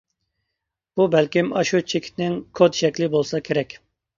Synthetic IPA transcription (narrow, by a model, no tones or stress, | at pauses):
b̥ubɛlkʲimɑʃut͡ʃʰekʲʰi̥t̪nɪŋkʰod̪ʃɛkʲlɪbolˠsɑkʲʰeɾɛkʲ